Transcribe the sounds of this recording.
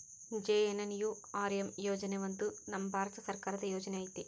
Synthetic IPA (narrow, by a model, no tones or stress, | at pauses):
d͡ʒeːenɐnjuː | aːɾemjoːd͡ʒɐneʋɐnd̪unɐmɐbʱaːɾɐt̪ɐsɐɾkaːɾɐt̪ɐjoːd͡ʒɐneɐjt̪ːi